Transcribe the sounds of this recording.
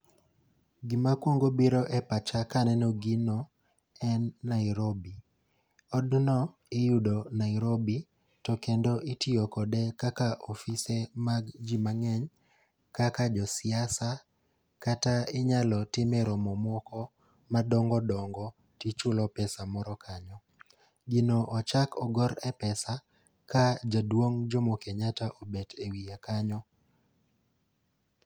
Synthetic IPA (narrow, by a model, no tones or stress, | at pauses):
ɡɪmakwoŋɡobiɾɔʔɛpat͡ʃakanɛnɔɡinɔ | ɛnːaɪɾobi | ɔdnɔ | ɪjudɔnaɪɾobi | tɔkendoʔɪtiokɔdɛkakaʔɔfisemaɡd͡ʒimaŋɛɲ | kakad͡ʒɔsɪasa | kataɪɲalɔtɪmɛɾɔmɔmwɔkɔ | madɔŋɡɔdɔŋɡɔ | tit͡ʃʊlɔpɛsamɔɾɔkʰaɲɔ | ɡɪnɔʔɔt͡ʃakɔɡɔɾɛpɛsa | kad͡ʒadwoŋd͡ʒɔmokeɲataʔobetewiakaɲɔ